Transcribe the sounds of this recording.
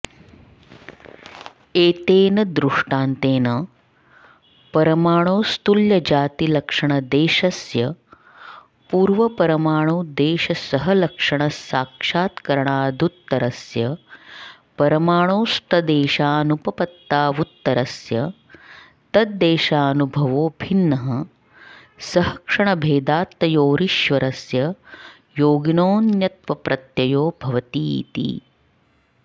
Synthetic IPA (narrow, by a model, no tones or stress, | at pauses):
eːt̪eːnɐd̪ɾuʂʈaːnt̪eːnɐ | pɐɾɐmaːɳ̃oːst̪uljɐd͡ʒaːt̪ilɐkʂɐɳɐd̪eːʃɐsjɐ | puːɾʋɐpɐɾɐmaːɳ̃oːd̪eːʃɐsɐɦɐlɐkʂɐɳɐsaːkʂaːt̪kɐɾɐɳaːd̪ʱut̪ːɐɾɐsjɐ | pɐɾɐmaːɳ̃oːst̪ʰɐd̪eːʃaːnupɐpɐt̪ːaːʋut̪ːɐɾɐsjɐ | t̪ɐt̪d̪eːʃaːɐnubʱɐʋoːbʱinːɐɦɐ | sɐɦɐkʂɐɳɐbʱeːd̪aːt̪ːɐjoːɾiʃʋɐɾɐsjɐ | joːɡinoːnjɐt̪ʋɐpɾʔɐt̪jɐjoːbʱɐʋɐt̪ḭːt̪ḭ